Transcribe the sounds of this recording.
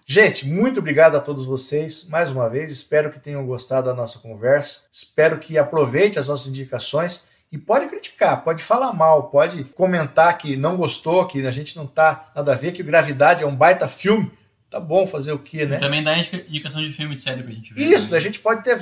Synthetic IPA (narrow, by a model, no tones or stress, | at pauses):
ʒẽt͡ʃɪ̥mũj̃t̪ʊobɾiɡad̪ʊɐt̪od̪ʊzvosejsmajzũmɐvejzɪspɛɾʊkɪ̥t̪ẽjɲɐ̃w̃ɡost̪ad̪ʊdɐnɔsɐkõvɛɾsɐ̥ɪspɛɾʊkʰɪapɾovejt͡ʃɪ̃ɐznɔsɐzĩd͡ʒikasõj̃s | ɪpɔd͡ʒɪkɾit͡ʃi̥kaɾpɔd͡ʒɪfalaɾmawpɔd͡ʒɪkõmẽnt̪aɾkɪnɐ̃w̃ɡost̪owakiaʒẽnt͡ʃɪnɐ̃w̃t̪anad̪ɐvekɪɡɾavid̪ad͡ʒɪɛũbajt̪ɐfiwmɪ | t̪abõfazeɾʊkʰɪnɛt̪ɐ̃mbẽj̃d̪aĩd͡ʒikɐĩd͡ʒikasɐ̃w̃d͡ʒɪfiwmɪsɛɾjʊpkɾɐʒẽnt͡ʃɪvisʊaʒẽnt͡ʃɪ̥pɔd͡ʒɪt̪eɾ